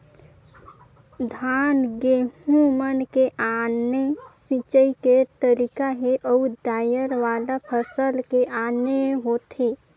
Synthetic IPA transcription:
d̪ʱaːnɡeɦũmənkeʔanesit͡ʃəiket̪əɾikaɦeʔɔud̪aːjəɾʋaːlapʰəsəlkeʔaneɦot̪e

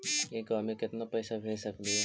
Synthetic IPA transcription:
eɡaːmekɪt̪napɛːsabʱeːlsɐkd̪iɦɛ

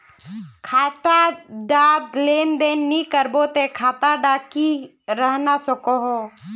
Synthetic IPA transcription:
kʰaːt̪aɖaːd̪leːnd̪eːnːikəɾboːt̪ekʰaːt̪aɖaːki | ɾəɦnasɔkoɦoː

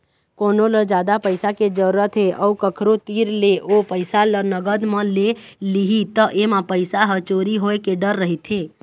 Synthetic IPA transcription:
koːnoləd͡ʒaːd̪apəɪsaked͡ʒəɾət̪ʰeʔəukəkʰɾot̪iːɾleʔopəɪsalənəɡəd̪mə̃leliɦit̪əʔemãpəɪsaɦət͡ʃoːɾiɦoekeɖəɾːəɦit̪ʰɦeː

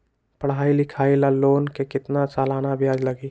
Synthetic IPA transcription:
pəɽɦaːilɪkʰaːilaloːnkekɪt̪nat͡ʃalaːnabʱijaːd͡ʒləɡiː

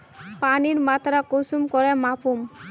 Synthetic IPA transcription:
paniɾmat̪ʰaɾakosumkɔɾemapum

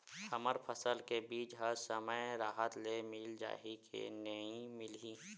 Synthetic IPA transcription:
həməɾpʰəsəlkebiːd͡ʒɦəsəməjɾaːɦət̪lemɪld͡ʒa̰ːɦikʰḛnəĩmɪliː

